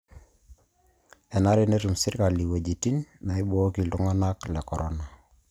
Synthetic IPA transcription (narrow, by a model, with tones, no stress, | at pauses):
ɛ˨na˦ɾine˦tu˨msi˦ɾka˨li˨we˨d͡ʒi˨ti˦nːa˨i˦bɔ˦ki˨lu˦ŋɔ˦nakle˨kɔ˨ɾʔona˨